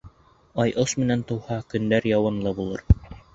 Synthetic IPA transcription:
ɑjʔoʃmɘ̆nænt̪ŏwhɑkɵ̆nd̪æɾjɑwɑnlˠɤbulˠɤ̰ɾ

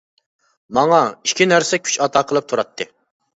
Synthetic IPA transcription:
mɑŋɑiʃkʲʰinæɾsɛkʲʰy̥t͡ʃɑt̪ʰɑːqʰəlˠɨp̚t̪ʰuɾɑt̪ʰːɨ

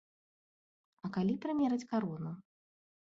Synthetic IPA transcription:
ɐkalʲipɾamʲɛɾɐt͡sʲkaɾɔnu

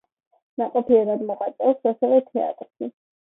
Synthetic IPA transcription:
naqʼɔpʰiɛɾad̪mɔqʼat̪sʼɛlˠsasɛvɛt̪ʰɛa̰t̪ʼɾʃi

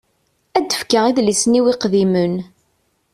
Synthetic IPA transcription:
æd̪ːəfkəʁiðlisniwiqðimən

